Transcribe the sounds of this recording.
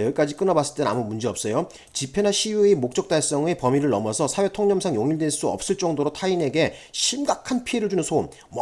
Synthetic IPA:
ʌik͈ad͡ʑik͈ɯnʌbas͈ɯ̥ɭt͈ena̰mumund͡ʑeʌp̚s͈ʌjo | t͡ɕipʰe̞naɕʰijuemok̚t͡ɕ͈ʌk̚t͈aɭs͈ʌŋe̞pʌmiɾɯɭːʌmʌsʰʌsʰawe̞tʰoŋɲʌmsʰaŋjoŋiɭdwe̞ɭs͈uʌ̰p̚s͈ɯɭt͡ɕ͈ʌŋdoɾotʰaine̞ɡe̞ɕʰimɡakʰanpʰie̞ɾɯɭd͡ʑunɯnsʰomː

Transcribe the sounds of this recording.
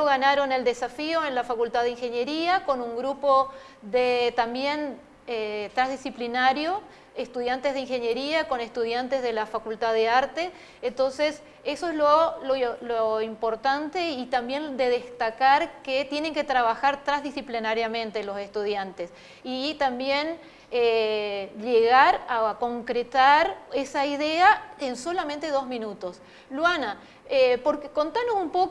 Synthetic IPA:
oɣanaɾo̞neld̪e̞safioenlafakult̪aðeiŋxe̞njeɾiako̞nuŋɡɾupo̞ | ðet̪ambje̞n | et̪ɾazðisiplinaɾjo | est̪uðjant̪ezð̞eiŋxe̞ɲje̞ɾiako̞ne̞st̪uð̞jant̪e̞zðe̞lafakult̪aðeaɾt̪e̞ | ent̪o̞nse̞s | e̞soezlololoimpo̞ɾt̪ant̪e̞it̪ambje̞nd̪e̞ðest̪akaɾket̪je̞ne̞ŋke̞t̪ɾaβ̞axaɾt̪ɾazðisiplinaɾjamẽ̞nt̪elo̞se̞st̪uð̞jant̪e̞s | it̪ambje̞n | e | ʎeɣaɾako̞ŋkɾet̪aɾe̞saiðeaenso̞lamẽnt̪e̞ðo̞zmĩnut̪o̞s | lwana | epoɾkeko̞nt̪anosumpok

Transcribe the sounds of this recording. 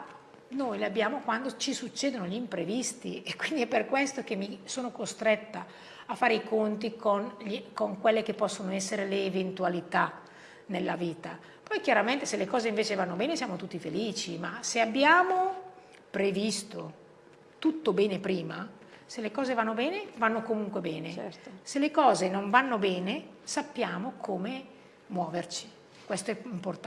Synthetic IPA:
noːjleabjaːmokwand̪ot͡ʃisut͡ʃːeːd̪onoʎimpɾevist̪iekːwind̪iɛpːerkwest̪ok̟emːisoːnokost̪ɾɛt̪ːa | afːaːɾeikont̪ikonʎikoŋkwelːek̟epːɔsːonoɛsːeɾeleːvent̪ualit̪a | nelːaviːt̪a | pɔjkjaɾament̪eselːekɔːzeiɱveːt͡ʃevanːobɛːnesjaːmot̪ut̪ːifeliːt͡ʃimaseabːjaːmo | pɾevist̪o | t̪ut̪ːobɛːnepɾiːma | selːekɔːzevanːobɛːnevanːokomuŋkwebɛːneselːekɔːzenoɱvanːobɛːne | sapːjaːmokʰoːme | mwɔːvert͡ʃi̥ | kwɛst̪oɛimport̪

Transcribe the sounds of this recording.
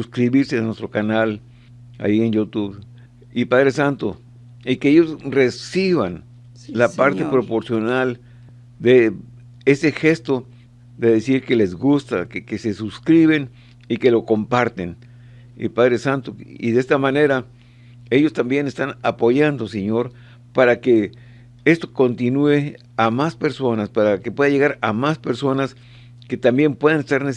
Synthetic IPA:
suskɾiβiɾsenwest̪ɾokanal | a̰jienjut̪uβ | ipaðɾesant̪o | ikeejosresiβan | lapaɾt̪epɾopoɾsjonal | d̪e | esexest̪o | ðeðesiɾkelezɣust̪akekesesuskɾiβen | ike̞lo̞kompaɾt̪en | ḭpaðɾesant̪oḭðest̪amane̞ɾa | eʝost̪ambje̞nest̪anapoʝand̪oseɲoɾ | paɾake | est̪okont̪inue | amaspeɾso̞naspaɾakepwe̞ðaʝeɣaɾamaspeɾsonas | ket̪ambjempwe̞ðanest̪aɾne

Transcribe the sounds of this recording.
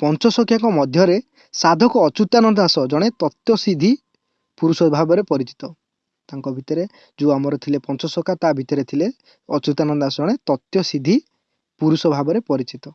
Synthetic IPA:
pɔnt͡ʃɔsɔkʰjaŋkɔmɔd̪ʱjɔɾe | sad̪ʱɔkɔːt͡ʃut̪anɔd̪asɔd͡ʒɔɽ̃et̪ɔt̪jɔsid̪ʱi | puɾusɔbʱabɔɾepɔɾit͡ʃi̥t̪ɔ | t̪aŋkɔbʱit̪ɔɾe | d͡ʒuamɔɾɔt̪ʰilepɔnt͡ʃɔsɔkʰat̪abʱit̪ɔɾet̪ʰile | ɔt͡ʃut̪anɔd̪asɔd͡ʒɔɽ̃et̪ɔt̪jɔsid̪ʱi | puɾusɔbʱabɔɾepɔɾit͡ʃit̪ɔ

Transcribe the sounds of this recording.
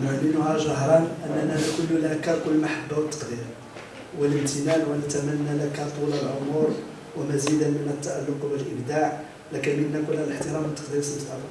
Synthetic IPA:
nʊʕlːənʊhæʃɑɦɾˤɑnʔənːænænækʊlːlʔækːɑɾkʊlːmaħabːawət̪ːqd̪iɾ | wələmt̪ənænwələt̪æmænːælækæt̪ˤuləlʕomʊɾ | wəmæzid̪ənmənət̪ːaʔalːʊqbəlʔəbd̪aʕ | lækænmənːækʊlːæləħt̪əɾɑmət̪ːə̥qd̪iɾsit̪ɑl

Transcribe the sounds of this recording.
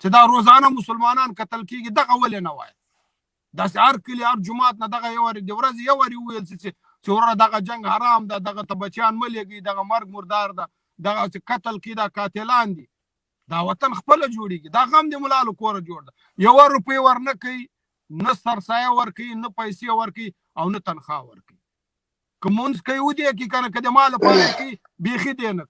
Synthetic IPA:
t͡ʃed̪aɾozɑnamʊsʊlmɑnɑnkat̪əlkeɡid̪aɣawalenawɑ̰ja | d̪ɑs̬ehaɾkəlihaɾd͡ʒʊmɑt̪̚nad̪aɣajawaɾed̪əwɾazejawaɾeuwajəlsit͡ʃe | t͡ʃewɾaɾad̪aɣad͡ʒaŋɡhaɾɑmd̪ad̪aɣat̪abat͡ʃjɑnməleɡəid̪aɣamaɾɡ̚mʊɾd̪ɑɾd̪a | d̪aɣat͡ʃekat̪əlkaid̪ɑkɑt̪elɑnd̪i | d̪ɑwat̪anxpəlad͡ʒoɽeɡid̪ɑɣamd̪emʊlɑlokoɾad͡ʒoɽd̪a | jawaɾʊpəjwaɾnakaji | nasaɾsɑjawaɾkainapajsewaɾkai | awnat̪anxɑ̰wa̰ɾkai | kəmʊnzkajwud̪ek̬ik̬anak̬əd̪əmɑlapɑɾakawi | bexid̪enak

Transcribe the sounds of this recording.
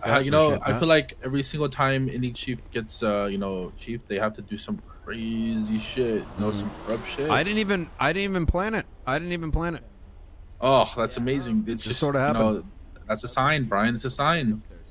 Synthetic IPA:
ʌjɨnoʊaɪilaɪkɛvɹisɪ̃ŋɡl̩ˠtʰãɪ̃mɪ̰̃nit͡ʃʰifɡ̥ɛtsʌjɨnoʊt͡ʃʰifðeɪhæftɨdɨsʌ̃mkʰɹ̥eɪziʃɪt̚jɨnoʊsʌ̃mkʰɹʌpʃɪaɪɾɪdⁿn̩tivɨ̃naɪɾɪdⁿn̩tivɨ̃npʰl̥æ̃nɨt̚aɪɾɪdⁿn̩tivnpʰl̥æ̃nɨt̚ | ʔɔhðætsəmeɪzɪ̃ŋɪtsd̥ʒ̥ʌsɔɾʌhænoʊðætsɨsãɪ̃nbɹaɪɨ̃nɨtsɨsãɪ̃n

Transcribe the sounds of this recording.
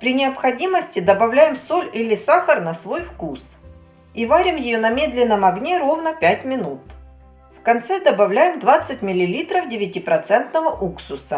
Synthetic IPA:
pɾʲɪnʲɪɐpxɐdʲiməsʲtʲɪd̪ɐbɐvlʲæjɪmso̞lʲilʲɪsaxərnɐsvo̞jfkus | ivaɾʲɪmjɪjonɐmʲe̞d̪lʲɪnːəmɐɡnʲeɾo̞vnəpʲætʲmʲɪnut̪ | fkɐnt̪sɛd̪ɐbɐvlʲæjɪmd̪vat̪sːɨtʲmʲɪlʲɪlʲit̪ɾəfdʲɪvʲɪtʲipɾɐt̪sɛnt̪nəvəʔuksʊsə

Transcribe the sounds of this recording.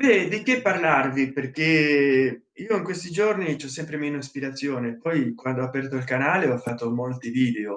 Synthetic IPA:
bɛd̪ikepːarlarviperke | iːoiŋkwest̪id͡ʒornit͡ʃɔs̬ːɛmpɾemeːnospiɾat̪sːjoːnepɔjkwand̪oɔapɛrt̪oilkanaːleɔfːat̪ːomolt̪iviːd̪eo

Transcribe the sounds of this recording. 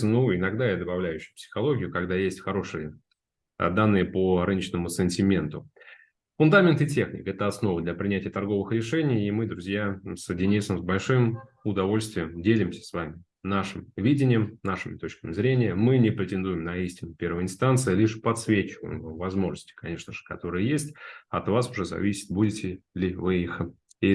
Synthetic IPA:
nuɪnɐɡd̪ajad̪əbɐvlʲæjʉɕːɪjʊpsʲɪ̥xɐlˠo̞ɡʲɪjʊkɐɡd̪ajesʲtʲxɐɾo̞ʂɨjə | d̪anːɨjəpərɨnət͡ɕnəmʊsɨnʲtʲɪmʲe̞nt̪ʊ | fʊnd̪amʲɪnt̪ɪtʲe̞xnʲɪ̰kɛt̪əɐsno̞vəd̪lʲɛpɾʲɪnʲætʲɪjət̪ɐrɡo̞vɨxɾʲɪʂɛnʲɪjːmɨd̪ɾʊzʲjasədʲɪnʲisəmzbɐlʲʂɨm | ʊd̪ɐvo̞lʲst̪vʲɪjəmdʲelʲɪmsʲə̥svamʲɪ | naʂɨmvʲidʲɪnʲɪjəmnaʂɨmʲɪt̪ot͡ɕkəmʲɪzɾʲenʲɪjəmɨnʲɪpɾʲɪtʲɪnd̪ujɪmnɐisʲtʲɪnʊpʲe̞rvəjɪnst̪ant̪sɨjlʲiʂpɐt̪svʲet͡ɕɪvə̰jɪ̰mvamvɐzmo̞ʐnəsʲtʲɪ̥kɐnʲe̞ʂnəʐɨ̥kɐt̪o̞ɾɨjəjesʲtʲɐt̪vasʊʐɛzɐ̰vʲisʲɪ̥t̪̚budʲɪtʲɪlʲɪvɨix | i

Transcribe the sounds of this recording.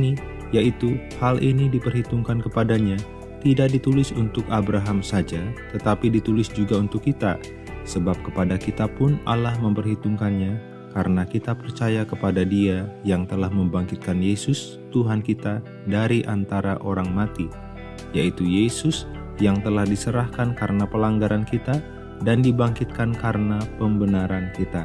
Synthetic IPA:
ni | jaʔit̪uhalʔinidipərɦit̪uŋkankəpadaɲa | t̪idak̚dit̪ulɪsunt̪ʊkabɾaɦamsad͡ʒat̪ət̪apidit̪ulɪsd͡ʒuɡaunt̪ʊkːit̪a | səbap̚kəpadakit̪apʊna̰lahməmpərɦit̪uŋkanɲa | kaɾənakit̪apərt͡ʃajakəpadadiajaŋt̪əlahməmbaŋkɪt̪̚kanjesʊs | t̪uɦankit̪a | daɾiʔant̪aɾaʔoɾaŋmat̪i | jait̪ujesʊs | jaŋt̪əlahdisəɾahkankaɾənapəlaŋɡaɾankit̪a | dandibaŋkɪt̪̚kankaɾənapəmbənaɾankit̪a

